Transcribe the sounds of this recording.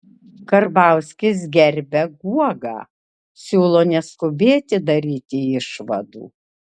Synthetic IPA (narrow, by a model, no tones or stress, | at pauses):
kɐɾbɑˑʊsʲkʲɪs̬ɡʲɛɾʲbʲɛɡuɔɡɑ̰ː | sʲuːlˠoːnʲɛskʊbʲeːt̪ʲɪd̪ɐɾʲiːt̪ʲɪɪʃʋɐ̰d̪ṵː